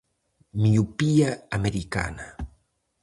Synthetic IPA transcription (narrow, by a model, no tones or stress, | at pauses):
miupiaameɾika̰na